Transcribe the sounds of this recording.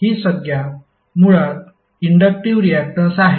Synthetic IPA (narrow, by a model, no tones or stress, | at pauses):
iːsəɡja | muɭat̪̚ | iɳɖək̚ʈiʋɾiæk̚ʈəsaɦ